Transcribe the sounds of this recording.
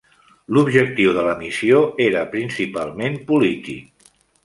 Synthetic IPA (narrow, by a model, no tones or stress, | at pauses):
lubʒək̚t̪iwðələmisioeɾəpɾinsipalˠmempulit̪ḭk̚